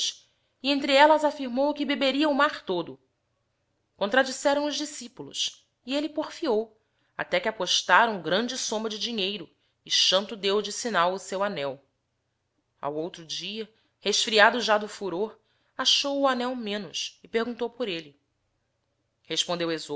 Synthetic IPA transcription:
ʃ | iẽnt̪ɾiɛlɐzafiɾmowkɪbebeɾiɐumaχt̪od̪ʊ | kõnt̪ɾad͡ʒisɛɾɐ̃w̃ʊʒd͡ʒisipulʊ̰s | ielɪpoɾfiow | a̰t̪ɛkɪapoʃt̪aɾɐũɡɾɐ̃nd͡ʒɪsõmɐd͡ʒɪd͡ʒiɲejɾʊ | ɪʃɐ̃nt̪ʊd̪ewd͡ʒɪsinawʊsewanɛw | a̰wowt̪ɾʊd͡ʒiɐ | heʃfɾiad̪ʊʒad̪ʊfuɾoɾ | aʃowuanɛwmẽnʊsɪpehɡũnt̪owpʊɾelɪ | heʃpõnd̪ewezo

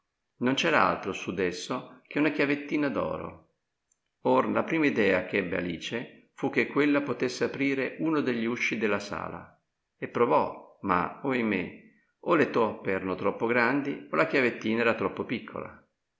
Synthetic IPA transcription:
nont͡ʃɛːɾaa̰lt̪ɾosud̪esːok̟ʰeunak̟javet̪ːiːnad̪ɔ̰ːɾo̰ | oɾlapɾiːmaid̪ɛːak̟ɛbːea̰lḭːt͡ʃe | fuk̟ːekːwelːapot̪esːeapɾiːɾeʔuːnod̪eʎːiuʃːid̪elːasa̰ːla̰ | epːɾovɔma̰oimḛ | olet̪ɔpːeɛːɾanot̪ɾɔpːoɡɾand̪iolʔak̟javet̪ːiːnaɛːɾat̪ɾɔpːopikʰːo̰la̰

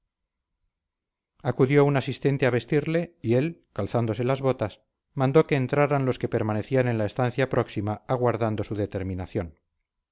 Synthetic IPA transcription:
akuðjo̞unasist̪ent̪eaβe̞st̪iɾle̞ie̞lkalθand̪o̞se̞lazβo̞t̪as | mãnd̪o̞ke̞ːnt̪ɾaɾanlo̞ske̞pe̞ɾmane̞θiane̞nlae̞st̪anθjapɾʔo̞ksimaaɣwaɾðand̪o̞suðe̞t̪e̞ɾmĩnaθjo̞n

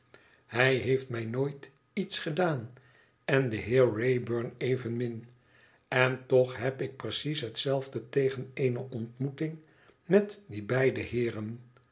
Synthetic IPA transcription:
hɛjɦejftmɛjnoːjt | itsχədaːn | ɛndəɦɪːɹːejbøɹnejvənmɪn | ɛntɔχɦɛpɪk̚prəsisɦətsɛlˠvdətejχənejnəʔɔntmutɪŋ | mɛtdibɛjdəɦɪːrən

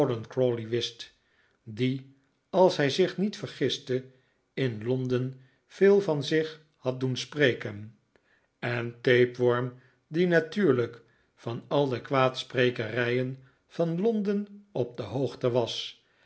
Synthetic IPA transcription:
dənkɹoliʋɪst | di | ɑlˠsɦɛjzɪχnitfəɹχɪstə | ɪnlɔndən | v̥ɪːlˠvɑnzɪχ | hɑt̚dunsprejkən | ɛntejpʋɔɹm | dinatyːɹlək | fɑnɑlˠdəkʋaːtsprejkərɛjən | v̥ɑnlɔndənɔp̚dəɦowχtəʋɑs

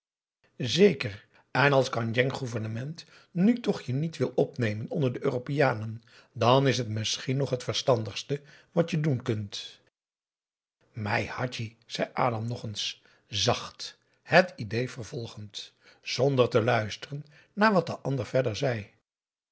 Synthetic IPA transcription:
zejkər | ɛnɑlˠskɑnjɛŋχuvəɹnəmɛnt | nytɔχjənitʋɪlˠɔpnejmənɔndəɹdəʔøːropijaːnən | dɑnɪsɦətmɪsχinɔχɦətfəɹstɑndəχstəʋɑtjədunkɵnt | mɛjhɑti | z̥ɛjʔaːdɑmnɔχəns | zɑχt | hətidejvəɹvɔlˠχənt | z̥ɔndəɹtəlœɥstərənː | aːɹʋɑt̚dəʔɑndəɹvɛɹdəɹzɛj

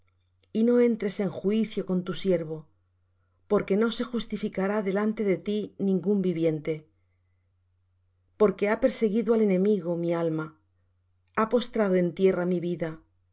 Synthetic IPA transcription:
ino̞ẽ̞nt̪ɾe̞se̞ŋxuiθjo̞ko̞nt̪usje̞ɾβo̞ | po̞ɾke̞no̞se̞xust̪ifikaɾaðe̞lant̪e̞ðe̞t̪inĩŋɡumbiβje̞nt̪e̞ | po̞ɾke̞ape̞ɾse̞ɣiðoale̞nẽ̞miɣomialma | apo̞st̪ɾað̞oe̞nt̪je̞ramiβiða

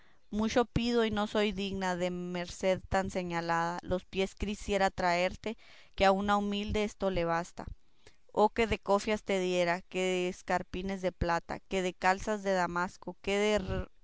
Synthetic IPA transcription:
mut͡ʃo̞pið̞o̞ino̞so̞jðiɣnaðe̞me̞ɾse̞ðt̪anse̞ɲalaðalo̞spje̞skɾisje̞ɾat̪ɾae̞ɾt̪e̞ | keaunaumild̪eest̪o̞le̞β̞ast̪a̰ | o̞ke̞ðe̞ko̞fjast̪e̞ðje̞ɾake̞ðeːskaɾpine̞zðe̞plat̪a̰ke̞ðe̞kalsazðe̞ðamasko̞keðer

